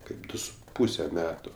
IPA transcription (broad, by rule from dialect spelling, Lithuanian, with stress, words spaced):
ˈkɐɪp ˈdʊ sʊ ˈpuːsʲɛ ˈmʲæːtʊ